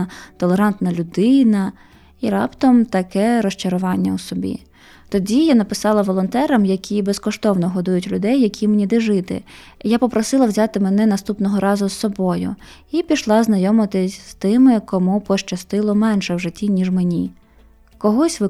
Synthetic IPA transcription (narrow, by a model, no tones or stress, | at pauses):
t̪ɔlˠeɾɑnt̪nɐlʲʊd̪ɪnɐ | iɾɑpt̪ɔmt̪ɐkɛɾɔʃt͡ʃɐɾʊʋɑnʲːɐusɔbʲḭ | t̪ɔdʲijanɐpɪsɑlˠɐʋɔlˠɔnt̪ɛɾɐmjɐkʲʰibeskɔʃt̪ɔwnɔɦɔd̪ujʊtʲlʲʊd̪ɛjːɐkʲʰimenʲid̪ɪʒɪt̪ɪ̰ | japɔpɾɔsɪlˠɐwzʲɑt̪ɪmɛnɛnɐst̪upnɔɦɔɾɑzʊsːɔbɔjʊ̰ | ipʲiʃlˠɑznɐjɔmɪt̪ɪsʲst̪ɪmɪkɔmupɔʃt͡ʃɐst̪ɪlˠɔmɛnʃɛwʒɪtʲːinʲiʐmenʲi | kɔɦɔsʲʋɪ